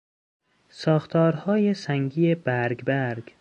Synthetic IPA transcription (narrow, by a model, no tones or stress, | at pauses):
sɒːxt̪ʰɒːɾhɒːjesæŋɡiːeb̥æɾɡbæɾɡ